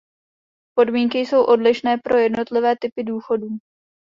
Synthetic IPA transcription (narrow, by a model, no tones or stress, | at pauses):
po̞dmiːŋkɪjso̞wʔo̞dlɪʃnɛːpɾo̞jɛdno̞t̪lɪvɛːt̪ɪpɪduːxo̞duː